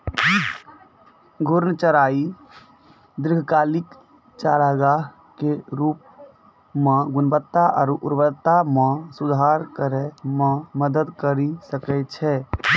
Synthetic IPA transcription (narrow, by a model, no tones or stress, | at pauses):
ɡʱʊɾnət͡ʃəɾaːi | d̪ɪɾɡʱkaːlɪk | t͡ʃaɾəɡa | keɾuːp̚ | mẽɡʊnbət̪ːaʔɔ̰ːɾʊ̰ɾbət̪ːamẽsud̪ʱaɾkəɾɛmãməd̪əd̪kəɾisəkɛt͡ʃʰɛ